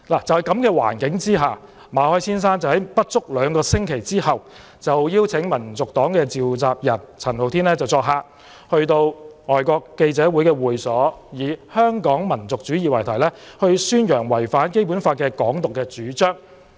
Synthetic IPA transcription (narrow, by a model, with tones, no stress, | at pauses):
laː˨˩t͡sɐ˨whɐ˨˩jkɐ˨˥mkɛː˧wa̰ː˨˩nkɪ˨˥ŋt͡siː˥ɦaː˨˩ | maː˨˧hɔː˥jsiː˥ns̬aː˥nt͡sɐ˨˩whɐ˨˦jpɐ˥t̚t͡ʃʊ˥k̚lœː˨˧ŋkɔː˧sɪ˥ŋkʰe˨˩jt͡siː˥hɐ˨w | t͡sɐ˨wjiː˥wt͡sʰɪ˨˥ŋmɐ˨˩nt͡sʊ˨k̚t̪ɔː˨˥ŋkɛː˧t͡siː˨wt͡saː˨p̚jɐ˨˩nt͡sʰɐ˨˩nho˨wt̪ʰiː˥nlɛː˥t͡sɐ˨wt͡sɔː˧k̚ɦaː˧ | hɵ˧ɥt̪o˧wŋɔː˨jkɔː˧kːe˧jt͡sɛː˨˥wuː˨˥jkɛː˧wuː˨jsɔː˨˥jiː˨˧hœː˥ŋkɔː˨˥ŋmɐ˨˩nt͡sʊ˨k̚t͡ʃyː˨˥jiː˨wɐ˨˩jt̪ʰɐ˨˩jlɛː˥hɵ˧ɥsyː˥njœː˨˩ŋwɐ˨˩jfaː˨˥nke˥jp̬u˨˥nfaː˧kɛː˧kɔː˨˥ŋt̪ʊ˨kːɛː˧t͡ʃyː˨˥t͡ʃœː˥ŋ